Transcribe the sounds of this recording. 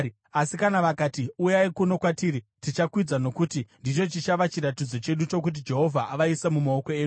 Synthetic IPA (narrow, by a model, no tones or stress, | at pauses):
asikanaʋakaːtiujaikuno̞kwatiːɾitit͡ʃakwid͡zano̞kutindit͡ʃo̞t͡ʃit͡ʃaʋat͡ʃiɾatid͡zo̞t͡ʃe̞ɗut͡ʃo̞k̬ut̬id͡ʒe̞ɦo̞vʱaʔaʋaisemumaoko̞eːu